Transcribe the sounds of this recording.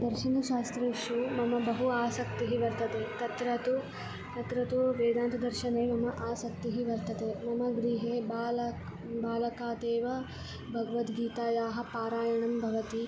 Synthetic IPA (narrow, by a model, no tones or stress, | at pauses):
d̪ɐɾʃɐnɐʃaːst̪ɾɐʃumɐmɐbɐɦuaːsɐkt̪iɦiʋɐɾt̪ɐt̪et̪ɐt̪ɾɐt̪u | t̪ɐt̪ɾɐt̪uʋeːd̪aːnt̪ɐd̪ɐɾʃɐneːmɐmɐʔaːsɐk̚t̪iɦiʋɐɾt̪ɐt̪emɐmɐɡɾiːɦeːbaːlɐ | baːlɐkaːt̪eːʋɐ | bʱɐɡɐʋɐt̪ɡiːt̪aːjaːɦɐ̆paːɾaːjɐɳɐmbʱɐʋɐt̪i